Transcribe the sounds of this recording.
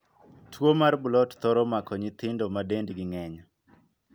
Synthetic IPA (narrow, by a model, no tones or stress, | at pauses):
tʰwomarbʊlɔtt̪ɔɾɔmakɔɲɪt̪ɪndɔmadendɡɪŋɛɲa